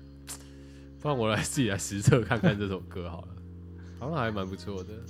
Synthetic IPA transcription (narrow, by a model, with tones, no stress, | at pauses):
u˥˩ŋwɔ˨˩la˨˧˥ɪt͡sɨ˥˩t͡ɕi˨˩la˧˥ɪʂɻ̩˧˥t͡sʰɤ˥˧kʰa˥˧nkʰa˥˧nt͡sɤ˥˧˩ɔ˨˩ŋkɤ˧˦xɑ˨˩˦ʊlə˦ | fɑ˧˦ŋ˦ha˧˥ɪma˧˦˥npu˧˦t͡sʰwɔ˥˩d̪ə˩